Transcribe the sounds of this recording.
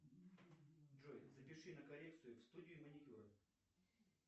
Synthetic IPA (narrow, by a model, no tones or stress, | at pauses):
ʐojzəpʲɪʂɨnəkɐlʲek̚t̪sɨjʊfst̪udʲɪjʊmənʲɪtʲuɾə